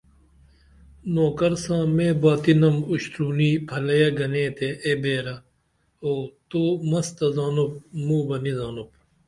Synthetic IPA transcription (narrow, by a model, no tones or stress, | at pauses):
noːkɐɾsãːmẽːbaːt̪inɐmuɕt̪ɾuːniːpʰɐlɐjɐɡɐnẽːt̪eʔebeːɾɐ | oːt̪oːmɐst̪ɐzaːnup̚muːbɐnizaːnup̚